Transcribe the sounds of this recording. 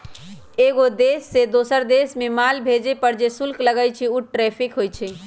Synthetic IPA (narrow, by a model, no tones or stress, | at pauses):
eɡod̪esːed̪osəɾd̪esmemalbʱed͡ʒepəɾd͡ʒesulkləɡəjt͡ʃʰiuʈɾepʰikɦojt͡ʃʰɛ